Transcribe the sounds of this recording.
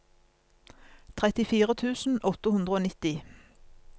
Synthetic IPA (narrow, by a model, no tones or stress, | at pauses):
t̪ʰʁɛt̪ɪfiːʁət̪ʰʉːsn̩ʔɔt̪əhʉnd̪ʁəoːnɪt̪ɪ